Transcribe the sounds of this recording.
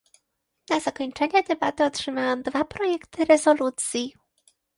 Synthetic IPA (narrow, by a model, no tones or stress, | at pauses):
naz̥akɔɲt͡ʂɛɲɛd̪ɛbat̪ɘɔtʂɘmajɔ̃w̃d̪vapɾɔjɛkt̪ɘɾɛzɔlut̪sʲji